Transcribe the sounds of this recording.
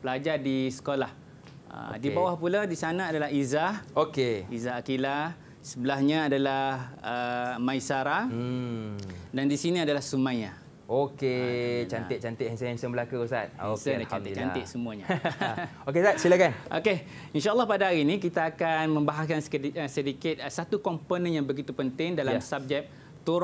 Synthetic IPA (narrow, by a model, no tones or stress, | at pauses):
pəlad͡ʒadisə̥kolah | ə̰dibawahpuladisanãadalaɦizahokeizaɦakila | səbəlaɦɲaadalahəmãisaɾa | dandisinĩadalahsumãjɲa | oket͡ʃanɪt̪̚t͡ʃant̪ɪʔhɛnsənhɛnsənbəlakuusa̰t̪̚hsəat͡ʃanɪt͡ʃanɪʔ̪̚səmũaɲa | okesat̪̚silakanʔo̰ke | inʃaəlːɑhpadaɦaɾiːnĩk̬it̪aːkanmə̃mbaɦaskanssədikɪt̪̚sat̪ukɔmponə̃njaŋbəɡit̪upənt̪ɪŋdalamsab̚d͡ʒɛk̚ | t̪uɾ